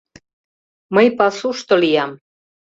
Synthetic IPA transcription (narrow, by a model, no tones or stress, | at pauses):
məjpɑsuʃt̪ŏlijɑm